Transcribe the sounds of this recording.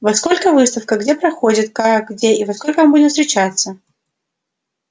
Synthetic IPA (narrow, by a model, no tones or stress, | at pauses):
vɐsko̞lʲkəvɨst̪əfkəɡdʲe̞pɾɐxo̞dʲɪt̪kaɡdʲeivɐskolʲkəmɐmbudʲɪmst̪ɾʲɪt͡ɕat̪sːə